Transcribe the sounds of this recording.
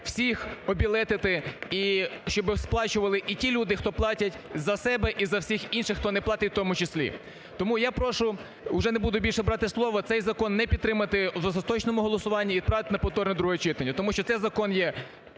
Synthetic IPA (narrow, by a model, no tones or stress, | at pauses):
w̥sʲixɔbʲilˠɛt̪ɪt̪ɪiʃt͡ʃɔbɪsplˠɑt͡ʃʊʋɐlˠɪʔitʲilʲud̪ɪxt̪ɔplˠɑtʲɐtʲzɐsɛbɛʔizɐwsʲixinʃɪxːt̪ɔnɛplˠɑt̪ɪtʲwt̪ɔmʊt͡ʃɪsʲlʲḭ | t̪ɔmujapɾɔʃʊ | ʊʒɛnebud̪ʊbʲilʲʃɛbɾɑt̪ɪslˠɔʋɔt̪sɛjzɐkɔnːɛpʲid̪t̪ːɾɪmɐt̪ɪzɐzɐt̪ɔt͡ʃnɔmʊɦɔlˠɔsʊʋɑnʲːɐiʋʲid̪̚pɾɑʋɪt̪ɪnɐpɔwt̪ɔrnʲɛd̪ɾuɦɔt͡ʃɪt̪ɐnʲːɐt̪ɔmuʃt͡ʃɔt̪sɛjzɐkɔnjɛ